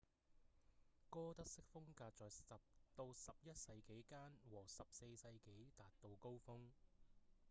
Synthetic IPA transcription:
kɔː˥t̪ɐ˥k̚sɪ˥k̚fʊ˥ŋkaː˧t̚t͡ʃɔː˨˩jɐ˨p̚t̪o˧wsɐ˨p̚jɐ˥t̚sɐ˧jke˨˥jkaː˥nwɔː˨˩sɐ˨p̚se˧jsɐ˧jke˨˥jt̪aː˨t̚t̪o˨˧wko˥wfʊ˥ŋ

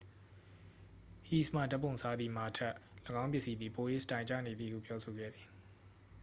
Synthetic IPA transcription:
hi˨sm̥a̰˦˨da˦pʰːõ˨ʊ̃sʰa˦d̪ði˨ma˨tʰɛ˦ʔləɡã˦ʊ̃mp̬jɪ˦ʔsi˦d̪ði˨po˨je˦˨stã˨ɪ̃ɲt͡ɕä̰˦˨ne˨d̪ðḭ˦˨hṵ˦˨pjɔ˦sʰo˨ɡɛ̰˦˨d̪ði˨

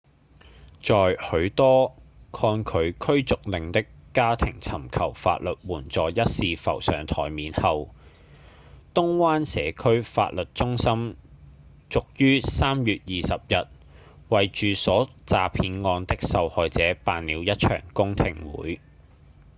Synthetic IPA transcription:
t͡sɔː˨jhɵ˨˧˥ɥt̪ɔː˥kʰɔː˧nkʰɵ˨˧ɥkʰɵ˥ɥt͡sʊ˨k̚lɪ˨ŋt̪ɪ˥kːaː˥t̪ʰɪ̰˨˩ŋt͡sʰɐ˨˩mkʰɐ˨˩wfa̰ː˧t̚lɵ˨t̚wuː˨˩nt͡sɔː˨jjɐ˥t̚siː˨fɐ̰˨˩wsœː˨˩ŋt̪ʰɔ̰ː˨˩jmiː˨˥nhɐ˨w | t̪ʊ˥ŋwaː˥nsɛ̰ː˨˧kʰɵ˥ɥfa̰ː˧t̚lɵ˨t̚t͡sʊ˥ŋsɐ˥m | t͡sʊ˨k̚jyː˥saː˥mjyː˨t̚jiː˨sɐ˨p̚jɐ˨t̚ | wɐ˨jt͡ʃyː˨sɔː˨˥t͡saː˨pʰiː˨˧nŋɔː˧nt̪ɪ˥k̚sɐ˨whɔː˨jt͡sɛː˨˥paː˨˧nliː˨˧wjɐ˥t̚t͡ʃʰœ̰ː˨˩ŋkʊ˥ŋt̪ʰɪ̰˨˩ŋwṵː˨˥j

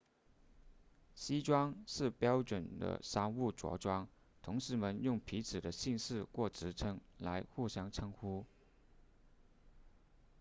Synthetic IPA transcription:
ɕi˥ʈ͡ʂwɑ˥ŋʂɻ̩˥˩pjɑ˥ʊʈ͡ʂwə˨˩nd̪ə̰˦ʂa˥nu˥˩ʈ͡ʂwɔ̰˧˥ʈ͡ʂwɑ˥ŋ | t̪ʰʊ˧˥ŋʂɻ̩˧˥mə˧njʊ˥˩ŋpʰi˧˥t͡sʰɹ̩˨˩d̪ə˦ɕi˥˧nʂɻ̩˥˧kwɔ˥˩ʈ͡ʂɻ̩˧˥ʈ͡ʂʰɤ˥ŋla˧˥ɪxu˥˩ɕjɑ˥ŋʈ͡ʂʰɤ˥ŋxu˥

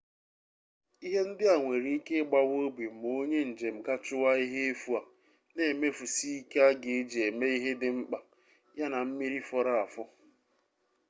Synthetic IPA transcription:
i˦ɦe˦n̩˦dɪ˦a˨ŋʷe˨ɾi˦ke˦ɡ͡ba˦wo˦bi˨m˨o˦ɲe˦n̩˨d͡ʒe˨m̩˨ka˦t͡ʃʊ˦wa˦i˦ɦe˦e˦fu˦a˨ | ne˨me˦fu˨si˦i˦ke˦a˦ɡɪ˨˦d͡ʒe˨me˦i˦ɦe˦dɪ˨ŋ͡m̩˦k͡pa˨ | ja˦na˨m̩˦mi˦ɾi˦fɔ˦ɾa˦a˨fʊ˦

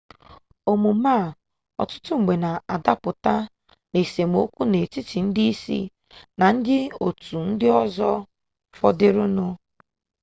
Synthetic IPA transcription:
o˨mu˨ma˦˨ | ɔ̰˨tʊ̥˦tʊ˦ŋ͡m̩˨ɡ͡be˨na˨a˨da˦k͡pʊ˨ta˦ | ne˨se˨m˨o̰˦kʷu˦ne˨ti˦ti˨n̩˦dɪ˦i˦sḭ˦ | na˨n̩˦dɪ˦o˨tu˨n̩˦dɪ˦ɔ˦zɔ˦ | fɔ˦dɪ˦ɾʊ˦nʊ˦

